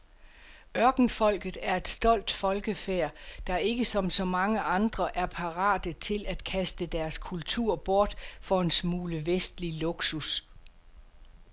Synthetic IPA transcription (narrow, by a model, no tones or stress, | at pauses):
ɶɐɡ̥n̩fɒ̽l̰ɡ̥ð̩ˠæɐe̝d̥sd̥ɒ̽l̰d̥fɒ̽lɡ̥əfeɐ̰d̥ɑ̈e̝ɡ̥əsɒ̽msɒ̽mɑ̈ŋəʔɑ̈nd̥ʁɐʔæɐpʰɑ̈ʁɑ̰̈ːd̥ət͡sʰe̝læd̥kʰæsd̥əd̥æɐskʰult͡sʰuɐ̰b̥ɔɐd̥fɒ̽e̝nsmuːləʋesd̥lilo̝ɡ̥sus